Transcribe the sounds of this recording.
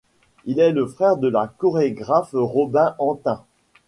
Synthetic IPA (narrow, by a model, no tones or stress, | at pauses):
ilɛləfχɛʁd̪əlakɔʁeɡʁafʁɔbɛ̃ʔɑ̃t̪ɛ̃